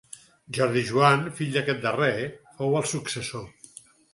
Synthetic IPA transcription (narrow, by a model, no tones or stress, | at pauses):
ʒɔɾðiʒuanfiʎd̪əkɛt̪̚d̪ərefowəlˠsuksəso